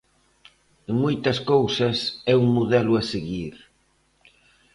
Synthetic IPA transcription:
ŋmujt̪ɐskowsɐsɛuŋmuðɛlʊaseɣiɾ

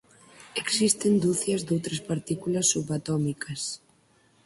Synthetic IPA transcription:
eksist̪end̪uθjɐzd̪owt̪ɾɐspaɾt̪ikulɐsːuβat̪ɔmikʰɐs

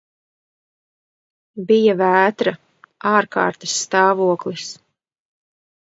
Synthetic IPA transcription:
bijavæːt̪ɾa | aːɾka̰ːɾt̪ḁsːt̪aːvuɔklˠis

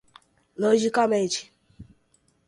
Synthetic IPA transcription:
lod͡ʒikɔmet͡ʃi̥

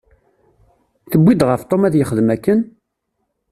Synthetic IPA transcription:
θəbʷːid̪ʁəft̪ˤomæðjəχəðmækːən

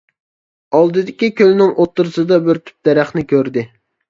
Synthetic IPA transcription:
ɑlˠd̪ɨd̪ɪkʲikʲʰølnɪŋʔot̪ːɨɾɨsɨd̪ɑbɪɾt̪ʰy̥p̚d̪̥ɛɾæχnɪkʲøɾd̪ɪ

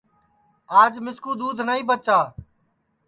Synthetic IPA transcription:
aːd͡ʒmɪskuːd̪uːd̪ʱnaːĩːbət͡ʃaː

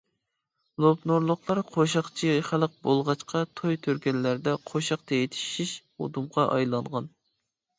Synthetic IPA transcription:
lˠopnoɾlˠʊχlˠɑɾqʰoʃɑχt͡ʃʰiχælˠəq̚bolˠʁɑt͡ʃqʰɑt̪ʰojt̪ʰøɾkʲɛnːæɾd̪ɛqʰoʃɑq̚t̪ʰɛjit̪ʰi̥ʃiʃ | o̰d̪umʁɑʔɑ̰jlˠɑɴʁɑn

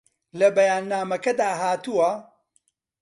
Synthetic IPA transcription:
lɐbɐjaːnːaːmɐkɐd̪aːɦaːt̪uwɐ

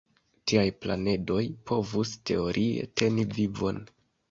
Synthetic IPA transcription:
tiajpla̰ne̞do̞jpo̞vuste̞o̞ɾʔiḛtʰe̞nivivo̞̰n

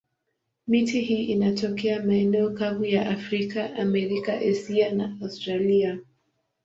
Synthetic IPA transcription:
mitihiːʔinatɔkɛamaɛnɛɔkavujaʔafɾikaʔamɛɾikaʔɛsianaastɾalia

